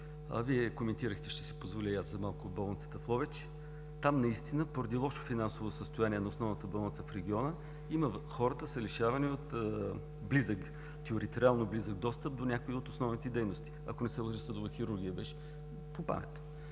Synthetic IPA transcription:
ɐ̰viɛkomɛnt̪iɾəxt̪ɛʃt̪ɛ̥sipozvolʲiaszɐmalˠkʊobolˠnt̪sə̥t̪ɐflˠɔvɛt͡ʃ | t̪amnɐist̪inəpoɾɐd̪ilˠɔʃo̥finansovosəst̪ojaniɛnɐosnɔvnət̪əbɐlˠnt̪səfɾɛɡʲiɔnə | iməxɔɾət̪əsəliʃavɐniot̪ | blizək | t̪ɛoɾit̪ɛɾʲialˠnoblizəɡ̚d̪ɔst̪əp̚d̪onʲakoiot̪osnɔvnit̪ɛd̪ɛjnost̪i̥ɐ̰konɛsɛlˠoʒisəd̪ʊvəxiɾuɾɡʲijəbɛʃ | popa̰mɛ̰t̪

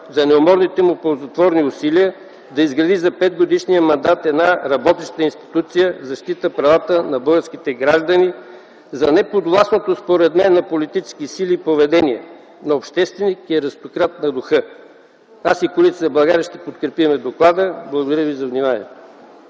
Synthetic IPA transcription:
zɐnɛomɔɾnit̪ɛmupolˠzɐt̪vɔɾniʊsiliə | d̪ɐizɡɾɐd̪izɐpɛd̪ɡod̪iʃnijəmɐnd̪at̪ɛd̪naɾɐbɔt̪ɛʃt̪ət̪əinst̪i̥t̪ut̪sijəzɐʃt̪it̪əpɾɐvat̪ənɐbɤlˠɡəɾsk̟it̪ɛɡɾaʒd̪əni | zɐnɛpod̪vlˠasnot̪ospoɾɛd̪mɛnːɐpolit̪it͡ʃɛ̥skisilipovɛd̪ɛniɛ | noːpʃt̪ɛst̪vɛnikiɛɾəst̪okɾat̪nɐd̪ʊxɤ | asikolit̪əəblˠɐɡaɾʲəʃt̪ɛpot̪kɾɛpimɛd̪oklˠad̪əblˠɐɡod̪ɐɾʲəvizɐvnimanʲḭɛt̪o̥

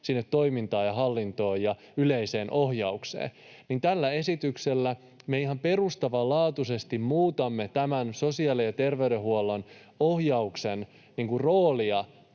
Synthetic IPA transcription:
sinːet̪ːo̞imint̪ɑːjɑɦɑlːint̪o̞ːjɑ | yleise̞ːnʔo̞hjɑuksḛː | nint̪ælːæe̞sit̪ykselːæ | meiɦɑmpe̞rust̪ɑʋɑlɑːt̪use̞st̪immuːt̪ɑmːet̪æmænso̞siɑːlejɑt̪e̞rʋeyɾeɦuolːon | o̞hjɑuksen | niŋkurroːliɑ

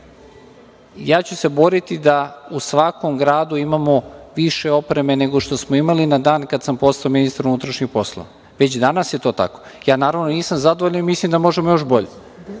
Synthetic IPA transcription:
jaːt͡ɕuse̞bo̞ɾit̪id̪ausʋako̞mɡɾaːd̪uimamo̞ʋiʃe̞o̞pɾe̞me̞ne̞ɡoʃt̪o̞smoimalinad̪aːnkad̪sampo̞st̪aominist̪ɾaunut̪ɾaʃɲixpo̞slˠo̰ʋa | ʋe̞t͡ɕd̪anasje̞t̪o̞ːt̪a̰ko̞̥jaːnaːɾaʋnoniːsamzad̪oʋoʎanimislimd̪amo̞ʒemojo̞ʃbo̞ʎe

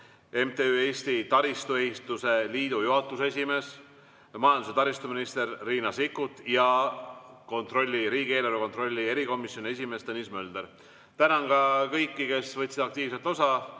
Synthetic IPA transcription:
e̞mt̪eye̞ːsʲt̪it̪ɑɾist̪ue̞hist̪use̞liːd̪ujuɦɑt̪ːˑuses̬ʲime̞ːs | mɑjɑnd̪use̞t̪ɑɾist̪uminist̪e̞rːiːnɑsikːˑut̪ˑjɑ | ko̞nt̪ro̞lʲːiɾiːɡ̥ieːleɾukot̪ro̞lʲːie̞ɾiko̞misjonʲiesʲime̞st̪enismøld̪̥eɾ | t̪ænɑnɡɑkɤjkːike̞svɤt̪ʲsid̪̥ɑk̚t̪iːv̥se̞lt̪o̞sɑ

